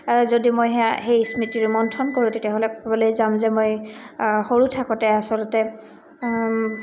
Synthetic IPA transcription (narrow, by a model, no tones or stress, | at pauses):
zodimojɦɛaɦejsmitiɹmɔntʰɔnkoɹũtetiaɦolɛkɔbɔlojzamzɛmoj | xoɹutʰakɔ̃tɛasɔlɔtɛ